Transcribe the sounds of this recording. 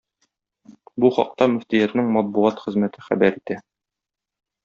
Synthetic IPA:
buχɒ̰q̚t̪ɑmɵ̆ft̪ijæt̪nɘŋmɒt̪̚buʁɑt̪χɘ̆zmæt̪ʰɘχæ̰bæɾit̪æ

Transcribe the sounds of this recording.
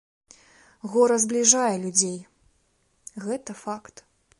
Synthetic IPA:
ɣɔɾɐzblʲiʐajɛlʲud͡zʲej | ɣɛt̪ɐfakt̪

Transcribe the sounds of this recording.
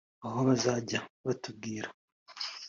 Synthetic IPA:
aɦoβazaːɟaβatub̚ɡiːɾa

